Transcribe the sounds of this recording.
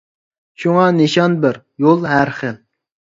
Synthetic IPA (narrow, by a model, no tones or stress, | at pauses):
ʃuŋɑneʃɑnbɪɾ | jolˠɦæɾχəl